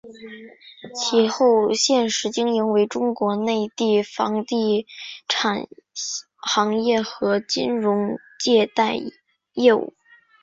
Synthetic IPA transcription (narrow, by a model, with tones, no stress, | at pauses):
t͡ɕʰi˧˥˩xo˥˩ʊɕjɛ˥˩nʂɻ̩˧˥t͡ɕi˥ŋi˧˥ŋwe˧˥ɪʈ͡ʂʊ˥ŋkwɔ˧˥ne˥˧ɪt̪i˥˩fɑ˧˥ŋt̪i˥˩ʈ͡ʂʰa˨˩n | xɑ˧˥ŋjɛ˥˩xɤ˧˥t͡ɕḭ˥nɻʊ˧˥ŋ | t͡ɕjɛ˥˧t̪a˥˧ɪ | jɛ˥˧ṵ˥˩˦